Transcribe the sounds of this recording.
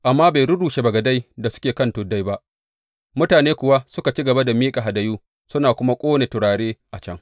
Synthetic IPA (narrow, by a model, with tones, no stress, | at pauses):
ʔa˨mːaː˦baː˨jɾʊ˦duː˨ʃe˨bɐ˨ɡɐ˨da˦jda˨sʊ̥˦kʲeː˨kɐ˦ntʊ˨da˦jba˦ʔ | mʊ˦taː˨neː˦kʷʊ˨wa˦sʊ˦ka˨t͡ʃi˦ɡɐ˨ba˦da˨miː˦kʼa˨ɦa˨dɐ˨juː˦ | sʊ˦naː˨kʷʊ˦ma˦kʷʼoː˦ne˨tʊ˨ɽaː˨ɽeː˦ʔa˨t͡ʃɐ˦ŋ